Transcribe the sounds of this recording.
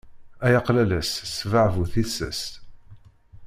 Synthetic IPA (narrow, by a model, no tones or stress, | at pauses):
æjɑqlælæssvəʕvuθisə̰st̪